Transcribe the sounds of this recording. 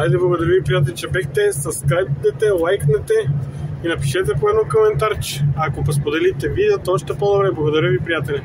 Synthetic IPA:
d̪ajd̪ɛblˠɐɡod̪ɐɾəvipɾijat̪̬ɛlɛt͡ʃɛbɛxt̪ɛsɐskajpd̪ɛt̪ɛlˠajknɛt̪ɛinɐpiʃɛt̪ɛpoɛd̪nokomɛnt̪aɾt͡ʃɛ̥akopɐspod̪ɛlit̪ɛvid̪ɛot̪ɔʃt̪ɛpod̪obɾɛblˠɐɡod̪ɐɾʲəvipɾijat̪ɛlʲɛ

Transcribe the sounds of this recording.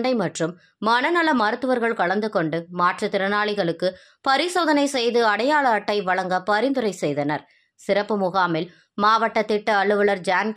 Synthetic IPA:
ɳɖɐɪmɐʈrɯmː | ɐɳɐnɐlɐmɐɾɯt̪ːɯʋɐɾɣɐɭkɐɭɐnd̪ɯkɔɳɖɯmaːʈrit̪ɪɾɐnaːɭɪɣɐɭɯkːɯ | pɐɾɪsoːðɐnɐɪsɛjðɯɐɽɐjaːɭɐːʈːɐɪʋɐɭɐŋɡɐpɐɾɪnd̪ɯɾɐɪsɛjðɐnɐɾ | sɪɾɐpːɯmʊɣaːmɪl | maːʋɐʈːɐt̪ːɪʈːɐːɭːɯʋɐɭɐɾd͡ʒaːn

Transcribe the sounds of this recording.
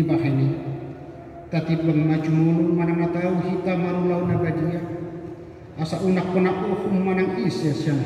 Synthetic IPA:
ibaɦɛni | t̪at̪it̪̚bəŋəmad͡ʒumulumanaŋnat̪auhit̪amaɾulaunabadia | asaʔunak̚ponaʔuhumːanaŋisɛsian

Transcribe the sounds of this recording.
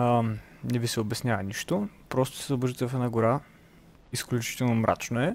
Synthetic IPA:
nɛvisɛobɛsnʲjavɐniʃt̪opɾɔst̪o̥sɛzɐbɔɾʒit̪ɛvɐfɛnaɡoɾa | isklʲut͡ʃi̥t̪ɛlˠnomɾʔa̰t͡ʃnoɛ

